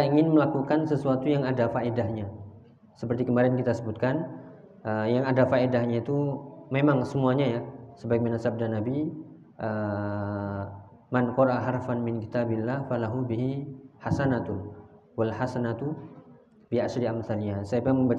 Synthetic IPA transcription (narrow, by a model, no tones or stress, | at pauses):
iaiŋɪnməlakukansəsuat̪ujaŋadafaedahɲa | səpərt̪ikəmaɾɛnkit̪asəbut̪̚kan | ʔəjaŋadafaedahɲait̪umemaŋsəmuaɲajasəbaik̚manasab̚danabi | ʔə | mankɔɾʔaɦarafanmɪnki̥t̪abilːahfalaɦubiɦihasanat̪ | walħasanat̪u | biaʃɾiamθaliasajapiaməmba